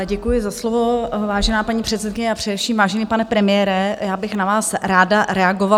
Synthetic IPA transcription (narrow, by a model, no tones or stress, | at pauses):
ɟɛkujɪzaslovo̞vaːʒɛnaːpaɲiːpr̝̥ɛt̪sɛt̪̚kɪɲɛapr̥ɛdɛfʃiːmvaːʒɛniːpanɛpɾɛmɪjɛːɾɛjaːbɪxnavaːsɾaːdaɾɛaɡova